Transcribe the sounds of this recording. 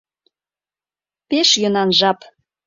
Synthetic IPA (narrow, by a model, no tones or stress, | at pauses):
peʃjønɑnʒɑp